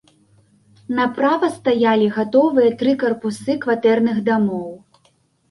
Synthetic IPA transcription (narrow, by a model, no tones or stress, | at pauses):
nɐpɾavɐst̪ajalʲiɣat̪ɔvɨjɐt̪ɾɨkɐrpusɨkvat̪ɛrnɨɣd̪amɔw